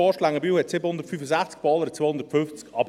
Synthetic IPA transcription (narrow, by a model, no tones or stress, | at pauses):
ɔːʃlaŋəbiːwhɛtsɪbənhʊndəɾtfyfəzæχt͡sk̚b̥ɑːləɾət͡soːhʊnd̥̪ətfʏnft͡skɑb